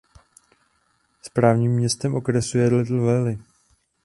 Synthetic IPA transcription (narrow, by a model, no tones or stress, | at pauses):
spɾaːvɲiːmːɲɛst̪ɛmʔo̞kɾɛsujɛlɛt̪l̩vɛlɪ